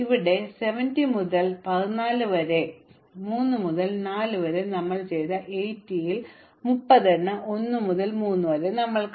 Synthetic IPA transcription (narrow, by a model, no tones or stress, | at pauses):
iʋiɽe̞se̞ʋɐndimuðɐlpɐðinaːlɨʋɐɾe | muːnːɨmuðɐlnaːlɨʋɐɾenɐmːɐɭt͡ɕe̞jt̪ɐʔejtːijil | mupːɐðeɳːɨʔonːɨmuðɐlmuːnːɨʋɐɾenɐmːɐɭk